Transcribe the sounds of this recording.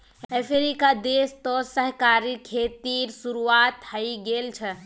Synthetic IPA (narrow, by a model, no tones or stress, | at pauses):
əpʰeɾikad̪est̪ɔsəɦkaɾikʰet̪iɾsuɾuat̪həiɡelt͡ʃʰɛ